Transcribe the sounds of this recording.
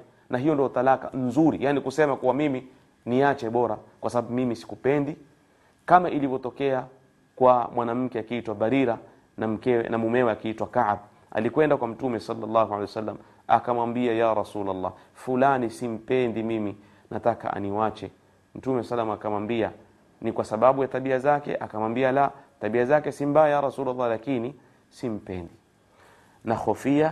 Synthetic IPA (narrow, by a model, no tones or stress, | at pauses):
nʔaɦijɔndiɔt̪alakan̩zuɾḭjanikusɛmakuwamimi | niat͡ʃɛɓɔɾakwʔasaɓaɓumimisi̥kupɛndi | kamaʔilivɔtɔkɛa | kwamwʔanam̩kɛakiitwabaɾiɾa | nam̩kɛ̰namumɛwɛakiitwakaʕb̚ | ʔa̰likwɛndakwam̩tumɛsalːalːɑɦualɛjsalːam | a̰kamwambiajaɾasulalːɑ̰ː | fulanisim̩pɛndimimi | nʔataka̰ʔa̰niwat͡ʃɛ | m̩tumɛssalːamakamwambia | nikwasaɓaɓujataɓiazakɛ̰ʔakamwambialataɓiazakɛsimbajajaɾasuːlalːɑlakini | sim̩pɛndi | naxɔfia